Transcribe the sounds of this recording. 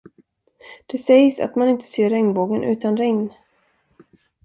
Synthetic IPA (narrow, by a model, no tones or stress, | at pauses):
d̪̥ɛsɛjsa̰t̪manɪnt̪ʰə̥seːɾɛŋnboːɡənʔʉ̟ːt̪anɾɛŋn